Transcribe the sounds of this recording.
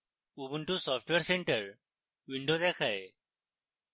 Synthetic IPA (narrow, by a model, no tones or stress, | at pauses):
uːbuɳʈusɔːpʰʈʋeɾseɳʈəɾ | ʋɪɳɖoːd̪eːkʰae